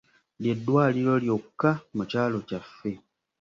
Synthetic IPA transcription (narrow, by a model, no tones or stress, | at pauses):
lje̞dːwaːliɾo̞ljo̞kːamucaːlo̞cafːe̞